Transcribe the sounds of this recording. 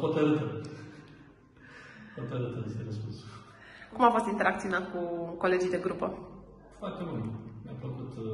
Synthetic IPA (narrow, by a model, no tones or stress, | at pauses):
pot̪ɐɾɨt̪ə | pot̪əɾɨt̪əd̪est̪enespus | kumafo̞st̪int̪e̞ɾʔak̪̚siunat̪̚kuko̞le̞d͡ʒijd̪e̞ɡɾupə | foart̪emult̪nʲampləkut̪